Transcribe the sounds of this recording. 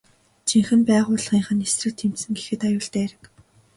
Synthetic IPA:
t͡ɕʰiŋxɘ̆mpæːʁʊːɮʁiːɴχə̆nesrɘ̆kt̪ʰem̥t̪sɘ̆ŋɡexɘ̆t̪ajʊːɬt̪æːæɾɘ̆k

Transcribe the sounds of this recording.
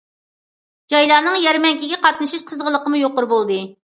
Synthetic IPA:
d͡ʒɑjlˠɑːnɨŋjɛɾmɛŋkʲiɡʲɛqɑt̪̚nɨʃiʃqʰəzʁəlˠəqəmujoqʊɾbolˠd̪ɨ

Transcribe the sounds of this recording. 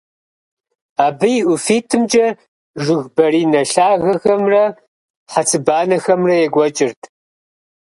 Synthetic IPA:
aːbɨjʔʊfiːtʰɨmd͡ʒɐ | ʒɨɣbɐɾiːnɐɬaːɣɐxɐmrɐ | ħat͡sʰʼɨbaːnɐxɐmrɐjɛɡʷɔt͡ʃʼɪrtʰ

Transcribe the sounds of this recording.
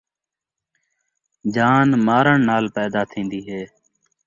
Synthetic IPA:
d͡ʒaːnmaːɾəɳnaːlpɛːd̪aːt̪ʰĩːnd̪iːɦeː

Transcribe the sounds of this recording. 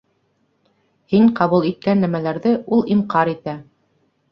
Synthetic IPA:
hiɴqɑβulˠit̪̚kænːæmælæɾðɘʔulˠimqɑɾit̪æ

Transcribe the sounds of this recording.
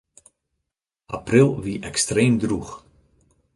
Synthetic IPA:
aprɪlˠviʔɛkstreːmdrux

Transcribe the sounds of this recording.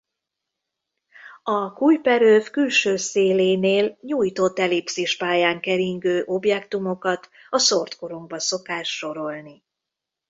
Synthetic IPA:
ɒkuːjpɛɾøːfkylʃøːseːleːneːlɲuːjt̪o̞t̪ːɛlipsiʃpaːjaːŋkɛɾiŋɡøːʔo̞bjɛkt̪umo̞kɒt̪ | ɒsort̪koɾuŋɡ̚bɒso̞kaːʃːo̞ɾo̞lni

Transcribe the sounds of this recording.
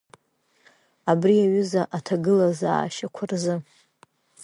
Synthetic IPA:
abriaɥʏzaʔatʰaɡɨlaza̰ːʃakʷʰarzɨ

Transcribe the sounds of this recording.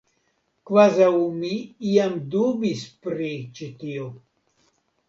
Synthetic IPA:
kvazaumiiamd̪ubispɾit͡ʃit̪io

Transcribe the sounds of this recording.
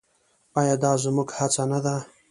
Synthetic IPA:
ajɑd̪ɑzmuɡhat͡sanad̪a

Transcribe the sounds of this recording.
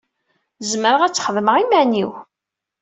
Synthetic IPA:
zməɾəʁæt͡sːχəðməʁimæniw

